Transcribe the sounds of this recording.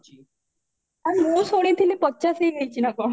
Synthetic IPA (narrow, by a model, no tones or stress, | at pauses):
amũsoɽ̃it̪ʰinepɔtːt͡ʃasɦejɡəjt͡ʃʰinakɔ